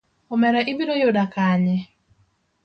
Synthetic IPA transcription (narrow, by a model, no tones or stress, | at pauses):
omɛɾaʔɪbiɾojodakaɲɛ